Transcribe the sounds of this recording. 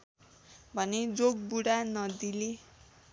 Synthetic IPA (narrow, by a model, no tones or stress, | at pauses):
bʱʌned͡zoɡ̚buɽanʌd̪ile